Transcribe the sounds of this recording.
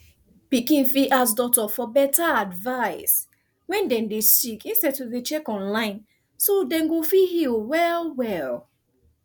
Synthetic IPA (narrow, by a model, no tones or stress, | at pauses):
pikĩnfiʔasdɔtɔfɔbɛtaadvaɪs | wɛ̃ndɛ̃ndesikĩnstɛd̚tuðet͡ʃɛkɔ̃nlãɪ̃n | sodɛ̃nɡofihilwɛlwɛl